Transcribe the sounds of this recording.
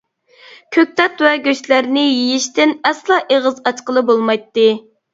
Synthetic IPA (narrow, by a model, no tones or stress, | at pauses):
kʲʰøk̚ʲt̪ɛt̪wɛɡʲøʃlæɾnɪjijiʃt̪ɪnɛslˠɑʔeʁəzɑt͡ʃqəlˠɨbolˠmɑjt̪ːɨ